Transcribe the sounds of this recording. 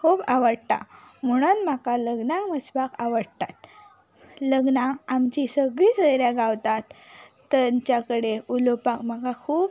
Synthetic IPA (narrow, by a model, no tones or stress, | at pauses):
kʰuːbaʋəɽt̪a̰məɽ̃nm̤akaləɡnakməsbakaʋəɽt̪at̪̚ | ləɡnãamt͡ɕisəɡɭiːt͡səjɾjaɡawt̪at̪ː | ət͡ɕjakəɽeulopakm̤akakʰuːb